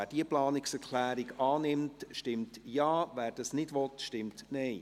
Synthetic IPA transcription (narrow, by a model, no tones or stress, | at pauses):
æːd̥iəplɑːnɪksɛɾkʰlæːɾɪɡɑːnɪmtʃtɪmtjɑːvæːɾd̥ɑsnɪdʋɔtʃtɪmtnɛɪ